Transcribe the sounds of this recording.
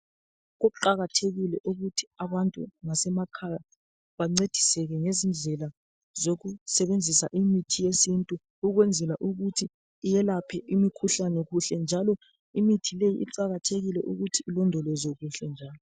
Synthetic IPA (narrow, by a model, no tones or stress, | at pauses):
ɣoǃaɣatʰeɣilɛʔuɣutʰi̥aβantʼṵŋasɛmakʰaja | βaŋ͡ǀed̥ʱisɛɣɛŋezind͡ɮʱɛla | zoɣusɛβend͡zʱisa̰ʔimitʰijesintʼu | uɣwɛnd͡zʱɛlaʔuɣutʰiː | jɛlapʰɛʔimikʰuɬanɛɣuɬɛnd͡ʒʱalɔ | imitʰilejḭʔḭǃaɣatʰeɣilɛʔuɣutʰiːlɔndʱɔlɔzoɣuɬɛnd͡ʒʱaːlɔ